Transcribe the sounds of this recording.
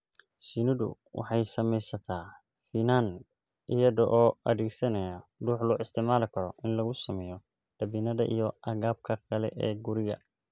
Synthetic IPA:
sinɪðʊ̰ | wɑ̰ħɑjsɐmɛjsɐt̪ʰaː | finan | ʔɪjɐðɔʔɔːʔɐðɛːɡsɐnɐjaɖuːħlʊːʔɪst̪ʰɪʕmaːlɪkʰɐɾɔʔɪnlɐɣʊsɐmɛjɔ | ɖ̥ɐbiːnɐðɐ̰ʔḭjɔʔɐɣaːb̚kʰɐkʰɐlɛ̰ʔɛːɡʊɾɪɣɐ̰

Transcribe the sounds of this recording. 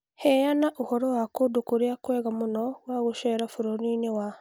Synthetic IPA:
hejanaʔuhoɾowakodukuɾjakweːɣamunowaɣuʃeɾafuɾoninewa

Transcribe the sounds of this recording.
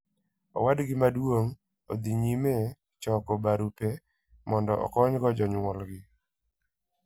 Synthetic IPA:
ɔ̰wadɡɪmadwoŋ | od̪iɲime | t͡ʃɔkɔbaɾupe | mɔndɔʔɔ̰kɔɲɡɔd͡ʒɔɲwɔlɡɪ

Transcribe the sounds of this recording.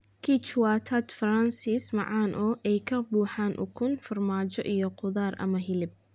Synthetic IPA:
kʰit͡ʃwat̪ʰɐt̪fransɪsmɑ̰ʕɑːnʔɔʔɛjkʰɐbuːħaːnʔʊ̰kʰʊnfɐrmaːt͡ʃɔʔijɔqʊðaːrʔɐ̰mɐɦɪlɪb̚

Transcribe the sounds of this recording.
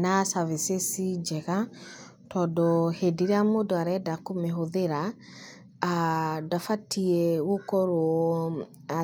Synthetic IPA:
nasavisesid͡ʒɛɣa | tɔdɔhediɾeamodɔaɾɛdakomeɦoðeɾa | adafatʰiɛwokɔɾwɔ | a

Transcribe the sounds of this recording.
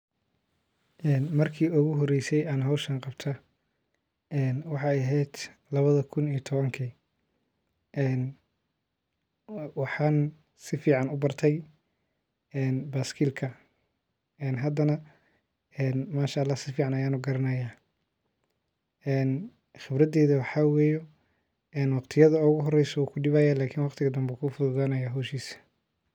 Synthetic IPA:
ʔɛːnmɐrkʰiːʊɣʊɦɔrɛjsɛjaːnɦɔwʃɐnqɑbt̪ʰɐ | ɛːnwɑħɑːɛɐɦɛjd̪̥ | lɐβɐðɐkʰʊnijt̪ʰɔβɐŋkʰiː | ɛːn | wɑħɑːn | sɪfiːʕɑnʊbɐrt̪ʰɛj | ɛːnbaːskʰiːlkʰɐ | ɛːnɦɐd̪ɐnɐ | ɛːnmaːʃɐɐlːaːhsɪfiːʕɑnɐjaːnuːɡɐɾɐnɐjaː | ɛːn | xɪbrɐd̪ɛːðɐwɑħɑwɛːjɔ | ɛːnwɑqt̪ʰɪjɐðɐʊɣʊɦɔrɛjsɔuːkʰʊɖɪβaːjaːlaːkʰɪnwɑqt̪ʰɪɣɐd̪ɐmbuːkʰufʊðʊðaːnɐjaːɦɔːʃiːsɐ̥

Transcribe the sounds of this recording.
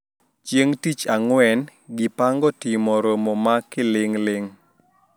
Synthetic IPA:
t͡ʃjeŋtit͡ʃaŋwɛnɡɪpaŋɡɔtɪmɔɾomɔmakɪlɪŋlɪŋ

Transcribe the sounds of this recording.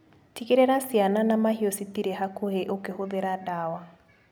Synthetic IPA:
tikeɾeɾasiananamaɦiositiɾeɦakoheʔokehoðeɾadawa

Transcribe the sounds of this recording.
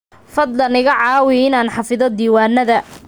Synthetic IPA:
fɐd̪lɐnɪɣɐʕɑːwɪɪnaːnħɑfɪðɔd̪iːwaːnɐðɐ

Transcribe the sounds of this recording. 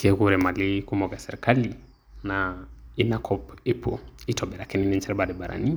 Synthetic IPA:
kekuɾɛmalikumɔkɛsɛɾkali | nainakʰɔpepʰo̰itʰɔbɛɾakɛniniɲt͡ʃɛlbadɛbaɾa̰ni

